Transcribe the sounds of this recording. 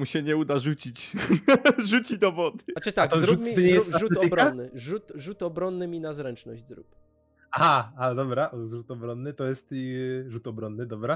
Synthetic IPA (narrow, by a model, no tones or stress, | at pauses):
uɕɛɲɛud̪aʐut͡ɕit͡ɕ | ʐut͡ɕid̪ɔvɔd̪ɘat͡ʂɛt̪aɡ̪zɔɾupmʲiɛjuʐut̪ɔbɾɔanːɘʐut̪ʐut̪ɔbɾɔnːɘmʲinazɾɛnt͡ʂnɔʑd͡ʑzɾṵp | aaad̪ɔbɾaʔɔzɾut̪ɔbɾɔnːɘt̪ɔjɛst̪ʐut̪ɔbɾɔnːɘd̪ɔbɾa